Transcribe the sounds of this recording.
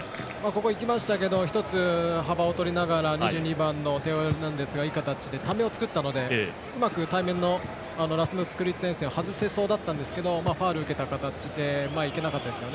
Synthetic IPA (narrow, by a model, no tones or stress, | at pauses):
maːko̞ko̞ikʲimaɕi̥t̪ak̬e̞d̪o̞çi̥t̪o̞t͡sɨhabao̞t̪o̞ɾʲinaɡaɾaɲiʑɨːɲ̟ibãnːo̞t̪e̞oɾnãnd̪e̞sɨɡaiːkat̪at͡ɕid̪e̞t̪ame̞o̞t͡sɨ̥kɯ̟t̪ːano̞d̪e̞ | ɯ̟makɯ̟t̪aimẽ̞nːo̞ | ano̞ɾasɨmɯsɨ̥kɯ̟ɾʲit͡sɨ̥ẽ̞se̞ːahazɨse̞so̞ːd̪at̪ːãnd̪e̞sɨ̥ke̞d̪o̞maːɸaːɾɯ̟ɯ̟ke̞t̪akat̪at͡ɕid̪e̞maike̞nakat̪ːad̪esɨkeone